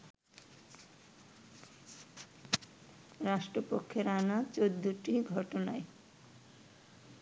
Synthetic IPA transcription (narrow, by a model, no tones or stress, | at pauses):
ɾaʃʈɾopokʰːjoɾanat͡ɕod̪ːuʈiɡʱɔʈonae